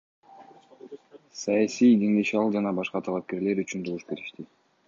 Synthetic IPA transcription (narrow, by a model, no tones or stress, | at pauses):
sɑjasijɡ̪e̞ŋd̪e̞ʃɑlˠd͡ʒɑnɑbɑʃqɑt̪ʰɑlˠɑp̚ke̞ɾle̞ɾyt͡ʃynd̪ovuʃbe̞ɾiʃt̪i